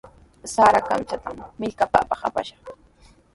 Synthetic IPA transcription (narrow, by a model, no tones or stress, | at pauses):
saɾaka̰mt͡ʃat̪amːɪʎkapa̰ːpɑχa̰pa̰ʃɑ̥χ